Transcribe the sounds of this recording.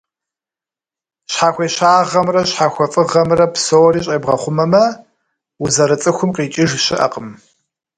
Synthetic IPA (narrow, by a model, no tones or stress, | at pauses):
ɕħaːxʷeːɕaːʁɐmrɐɕħaːxʷɔfʼɨʁɐmrɐpsowɔriːɕʼeːbʁɐχʷʊmɐmɐ | wuzɐɾɨt͡sʼɨxʷʊmqiːt͡ʃʼɪʒɕɪʔɐ̰qəm